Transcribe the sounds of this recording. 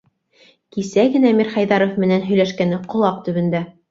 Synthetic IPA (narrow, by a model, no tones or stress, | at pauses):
kisæɡɘ̆næmiɾχɑjðɑɾofmɘ̆nænɦɵ̆jlæʃkænɘqŏlˠɑq̚t̪ɵ̆βɘ̆nd̪æ